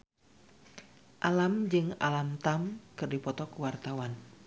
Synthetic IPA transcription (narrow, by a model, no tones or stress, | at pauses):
ʔalamd͡ʒɨŋa̰lamt̪amkɨrdipɔt̪ɔkuwart̪awan